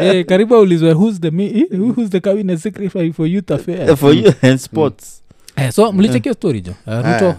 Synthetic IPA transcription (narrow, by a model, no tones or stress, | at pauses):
ɛkaɾibaulizwɛɦuz̬ðɛminhuhuzðɛkabinɛtsikɾifajfɔjut̪afɛfɔjuɛ̃nspɔts | ɛsɔmulit͡ʃɛkiɔstɔɾḭd͡ʒɔ̰aɾutɔ